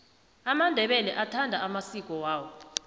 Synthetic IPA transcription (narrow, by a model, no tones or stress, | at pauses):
amandʱɛɓɛlɛʔatʰandʱaamasik̬ʼɔwaːwɔ